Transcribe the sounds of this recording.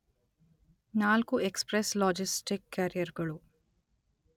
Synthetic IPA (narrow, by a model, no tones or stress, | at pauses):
naːlkuekspɾeslɔːd͡ʒisʈikːaːɾijɐɾɡɐɭu